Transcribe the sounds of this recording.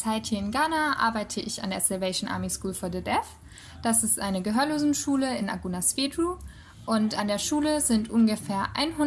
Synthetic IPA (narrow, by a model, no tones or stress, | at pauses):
t͡saɪthiːɐɪnɡaːnaʔa̰ɐbaɪtʰəʔɪça̰ndeːɐsɛlvɛɪʃn̩ʔa̰ɐmiskuːlfɔɐdɛdɛf | d̥asɪstʔaɪnəɡəɦøːɐloːzn̩ʃuːləɪnʔa̰ɡunasfeːdʁu | ʔʊntandeːɐʃuːləzɪntʔʊnɡəfeːɐʔa̰ɪnɦʊ